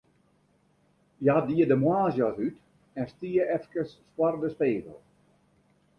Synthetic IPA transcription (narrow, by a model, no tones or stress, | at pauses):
jadiədəmwaːzjɔsyt | ɛnstiəʔɛfkəsːwardəspeːvə̰lˠ